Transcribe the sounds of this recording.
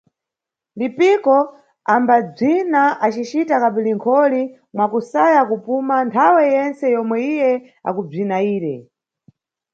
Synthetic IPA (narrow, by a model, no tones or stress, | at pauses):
lipikɔ | ambab͡ʐinaat͡ʃit͡ʃitakaɓiliŋkʰɔli | mwakusajakupumantʰawɛjɛnt͡sɛjɔmwɛijɛ | a̰kub͡ʐinaiːɾɛ